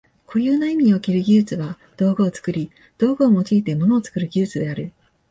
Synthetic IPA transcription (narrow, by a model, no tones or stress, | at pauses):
kʰo̞jɯːnaimʲiɲ̟iokeɾɯ̟ɡʲɨːt͡sɨβa | d̪̥o̞ːɡɯːt͡sɨ̥kɯ̟ɾʲi | d̪̥o̞ːɡɯːmo̞t͡ɕiːt̪e̞mono̞oːt͡sɨ̥kɯ̟ɾɯ̟ɡʲɨːt͡sɨd̪e̞aɾɯ̟